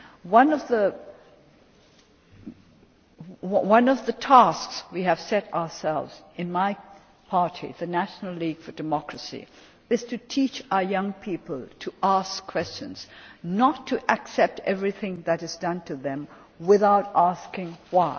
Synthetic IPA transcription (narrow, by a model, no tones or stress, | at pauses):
wʌ̃nʌvðə | wʌ̃nʌvðɨtʰæskswiɨv̥sɛɾaʊəsɛlˠvzɨ̃nmaɪ | pʰɑɹɾʰḭðɨnæʃn̩l̩ˠliɡ̥fə˞dɨmɔkɹɨsḭ | ɨz̥tʰɨtʰit͡ʃaʊə˞jʌ̃ŋpʰipəl̩ˠtʰɨʔæskʰw̥ɛst͡ʃɨ̰̃nz̥nətʰːɨʔɨksɛp̚tɛvɹiθɪ̃ŋðɨɾɨzdʌ̃ntʰɨðɨ̃m | wɪθaʊɾæskɪ̃ŋwaɪ